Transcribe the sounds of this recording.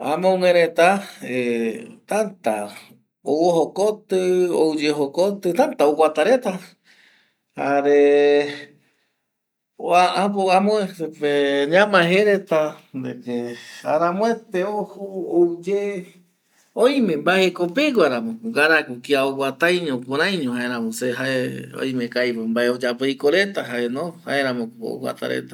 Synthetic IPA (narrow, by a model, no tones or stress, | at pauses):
a̰mõŋẽɾet̪aet̪ant̪a̰ | owoɦokot̪ɨo̰wd͡ʒeɦokot̪ɨt̪ant̪aowʷat̪aɾet̪a | haɾe | oaapoamõesepeɲãmãɦeɾet̪ad̪ekeaɾamõet̪eohooud͡ʒe | õj̃mẽmbaekopeɡwaɾamõɡaɾakukiaoɡʷat̪ajɲõkoɾãj̃ɲõɦaeɾãmõseɦaeo̰jmẽkajpombaeod͡ʒapoikoɾet̪aɦaenoha̰eɾãmõo̰kʷwa̰t̪a̰ɾḛt̪ḁ